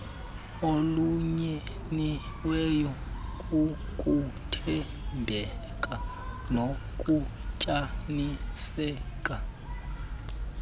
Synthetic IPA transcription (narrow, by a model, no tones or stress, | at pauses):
oluɲɛ | ni | wɛjɔkʼukʼutʰɛ | mbʱɛ | kʼa | nokʼucʼanisɛːkʼa